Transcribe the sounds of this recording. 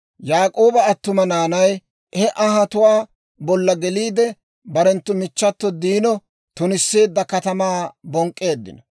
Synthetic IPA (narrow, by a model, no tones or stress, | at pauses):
jaːkʼo̞ːbɐːt̪ːʊmɐnaːnɐj | hɛʔɐɦɐt̪ʊwaː | bɔlːɐɡɛliːd̪ɛ | bɐɾɛnt̪ːʊmɪt͡ʃːɐt̪ːɔd̪iːnɔ | t̪ʊnɪsːeːd̪ːɐkɐt̪ɐmaːbɔŋkʼːe̞ːd̪ːɪ̰nɔ